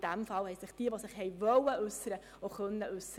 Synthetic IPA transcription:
d̥æmfɑlhɛɪsɪχd̥iːəʋosɪχhɛɪʋœwəʔʉsəɾə | oχœnːəʔʉsə

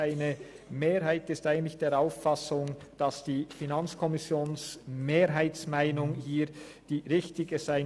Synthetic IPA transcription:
aɪnə | meːɾɦaɪtɪstʔaɪɡən̩tlɪçd̥eːɐɾaʊfɑsʊŋ | d̥ɑsd̥iːfinɑnt͡skʰɔmɪsjoːnsmeːɾɦaɪtt͡smaɪnʊŋhiːɾ | d̥iːʁɪçtɪɡəzaɪ

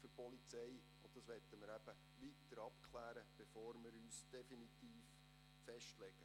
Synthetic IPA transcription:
føɾpɔlit͡sɛj | ʊd̥ɑsʋɛt̪ːəməɾæb̥ə | ʋit̪əɾɑpkʰlæːɾəb̥efoːɾmɪɾyːsd̥ɛfinit̪iːf | fɛʃtlɛɡ̥ə

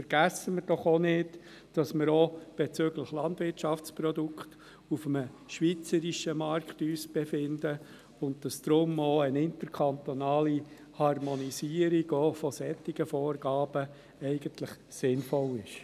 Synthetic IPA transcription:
fəɾɡ̥æsəməɾd̥ɔχonɪd | d̥ɑsməɾob̥et͡søɡləχlɑntvʋɪrtt͡ʃɑft͡sprɔdukt | ufəmə | ʃʋit͡səɾiʃəmɑɾkχtyːsb̥efɪndə | ʊntd̥ɑsd̥ɾʊmoənɪntəɾkʰɑnt̪onɑːli | hɑrmɔnisiːəɾiɡ̥oːfɔsɛt̪ːiɡ̥əfɔːrɡ̥ɑːbə | ɛɪɡəntləχ | sɪnfɔlɪʃ

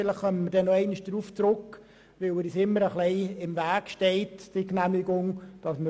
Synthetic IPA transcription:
ɪləχχœmtmədɛnːoɛɪnɪʃd̥ɾuːft͡sɾʊkː | ʋɪlɪɾisɪmːəɾəχlɛɪɪmvæːkʃtɛɪtd̥iknæmɪɡʊŋd̥ɑsmə

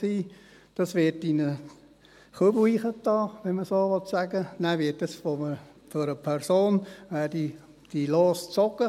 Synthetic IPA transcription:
siː | d̥ɑsʋɪtinə | χubiːχətːɑːʋɛnməsoːʋɔtsæɡənæʋɪːtːəsʋomə | doɾəpʰɛɾsoːnʋæːdi | d̥iloːst͡sɔɡə

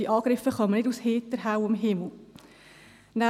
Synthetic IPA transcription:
iʔɑːɡ̥ɾɪfəχɑmənɪtdusheːtəɾɦaʊɪmɦɪml̩ˠ | na

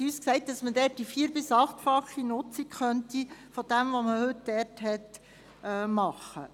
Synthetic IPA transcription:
yːsksɛɪt̚dɑsmədɛːt̚d̥ifiːɾbɪsɑχtfɑχinʊt͡sikχœntifod̥ɛmʋoməhɵt̚dɛɾthɛt̪ː | mɑχə

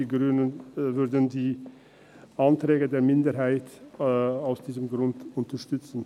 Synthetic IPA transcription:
ɡɾynənvʏɾdən̩diː | ʔantɾeːɡədeːɾmɪndəɾɦaɪt | aʊsd̥iːzəmɡɾʊndʊntəʃtʏt͡sn̩

